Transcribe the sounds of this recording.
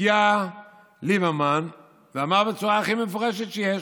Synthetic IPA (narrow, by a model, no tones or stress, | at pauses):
ia | libaman | veamaʁbet͡suʁaːχimefoʁɛʃet̪ʃejɛ